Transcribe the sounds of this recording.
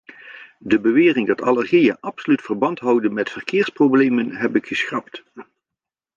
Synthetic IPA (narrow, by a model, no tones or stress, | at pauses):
dəbəʋɪːrɪŋdɑtɑləɹχijəʔɑpsolytfərbɑntɦʌwdənmɛtfərkɪːɹsprowblejmənɦɛpɪkχəsχɑpt